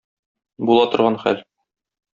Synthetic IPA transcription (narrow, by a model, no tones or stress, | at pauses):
bulˠɑt̪ŏɾʁɑnχæ̰l